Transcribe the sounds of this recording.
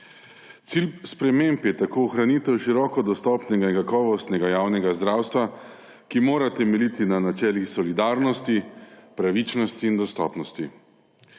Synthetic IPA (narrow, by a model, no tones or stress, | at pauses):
t̪silspɾɛmempjɛt̪akoːɔxɾanit̪ɛwʃiɾɔːkɔd̪ɔst̪ɔpnɛɡainkakɔːʋɔst̪nɛɡajaːwnɛɡazd̪ɾaːwst̪ʋa | kimoːɾat̪ɛmɛlit̪inanat͡ʃɛːlixsɔlid̪aːɾnɔst̪ipɾaʋit͡ʃnɔst̪iːnd̪ɔst̪ɔ̰ːpnɔst̪i